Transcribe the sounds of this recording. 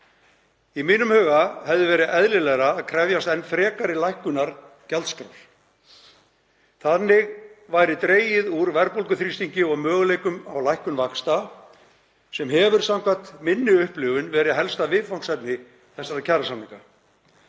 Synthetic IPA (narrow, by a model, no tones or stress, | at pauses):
imiːnʏmhœːɣahɛvðɪvɛːɾɪɛðlɪlɛɣɾaːðkʰɾɛvjast̪ɛnfɾɛːkaɾɪlajhkʏnaɾ | calt̪skɾa̰wl | θannːɪɣvajɾɪt̪ɾeːjɪðuɾvɛɾpolkʏθɾist̪iɲcɪɔɣmœːɣlejkʏmawlajhkʏnvakst̪a | sɛmɦɛvʏɾ̥sawŋkat̪mɪnːɪʏhplʏːɣʏnvɛːɾɪðɦɛlst̪avɪðfawn̥sajpnɪ | θɛsːaɾcʰaɾasamniŋka